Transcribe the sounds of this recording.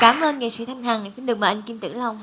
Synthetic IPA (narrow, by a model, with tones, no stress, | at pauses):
kaː˧˦mʔəː˧nŋə̰˨˩sḭ˧˥t̪ʰa˧jŋ̟ɦaː˨˩ŋ˨˩si˧nɗɨ˨˩ək̚məː˨˩ʔŋki˧mt̪ɨ̰˧˥la˧wŋ͡m